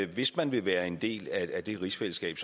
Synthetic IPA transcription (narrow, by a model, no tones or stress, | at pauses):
ʋe̝smænʋe̝ʋæːɐe̝nd̥e̝̰ːlææd̥e̝ʁisfel̰əsɡ̥ɛ̰ːb̥s